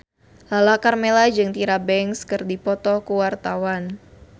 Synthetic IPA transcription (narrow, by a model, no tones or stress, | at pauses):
lalakarmelad͡ʒɨŋt̪iɾabɛŋskɨrdipɔt̪ɔkuwart̪awan